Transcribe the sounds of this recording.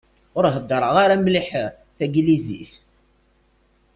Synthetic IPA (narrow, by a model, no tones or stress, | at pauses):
ʊɾɦəd̪ːəɾˤəʁaɾamliħəʁ | θæɡlizḭθ